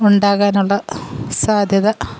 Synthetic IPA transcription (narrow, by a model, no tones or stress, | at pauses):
uɳɖaːɣaːnuɭːɐsaːd̪ʱjɐðɐ